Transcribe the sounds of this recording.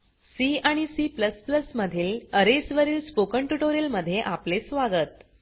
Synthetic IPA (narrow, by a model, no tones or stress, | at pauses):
siaɽ̃isipləspləsməd̪ʱiːləɾesʋəɾiːlspokəɳʈuʈoɾjəlməd̪ʱːjeʔaplesʋaɡət̪